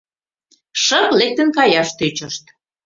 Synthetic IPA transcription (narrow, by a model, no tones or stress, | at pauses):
ʃəklek̚t̪ə̆nkɑjɑʃt̪øt͡ɕəʃt̪